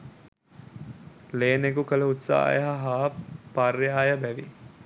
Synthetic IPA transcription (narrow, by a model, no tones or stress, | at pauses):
leːnekukələut̪sa̰ːjəɦaɦaːparjaːjəbæʋi